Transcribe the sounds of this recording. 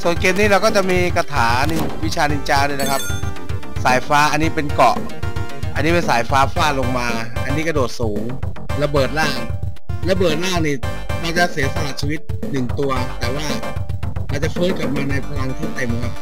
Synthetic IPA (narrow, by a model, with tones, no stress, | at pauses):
su˨˩ənkeː˧mniː˦˥˩ɾa˧wkɔː˥˩t͡ɕa˨˩ʔmiː˧ka˧t̪ʰaː˩˦ni˧ | wi˦˥t͡ɕʰaː˧ni˧nt͡ɕaː˧nu˥˩jna˦˥kʰa˦˥p̚ | saː˩˦jfaː˦˥ʔa˧nːiː˦˥pe˧nkɔ˨˩ʔ | ʔa˧nːiː˦˥pe˧nsaː˩˦jfaː˦˥faː˥˩lo˧ŋmaː˧ | ʔa˧nːi˦˥ka˥˩doː˨˩t̪̚suː˩˦ŋ | la˧bɤː˨˩t̪̚laː˥˩ŋ | la˧bɤː˨˩t̪̚laː˥˩ŋniː˧˩ | ɾa˧wt͡ɕa˨˩ʔsi˨˩˦sa˧laː˨˩t͡ɕʰiː˧wi˦˥t̪̚ | nɯ˨˩ŋt̪u˧ɐt̪ɛː˨˩waː˥˩ | ɾa˧˨˩wt͡ɕa˨˩fɯː˦˥nka˨˩p̚maː˧na˧jpʰa˧la˧ŋt̪ʰiː˥˩t̪a˨˩mɯ˧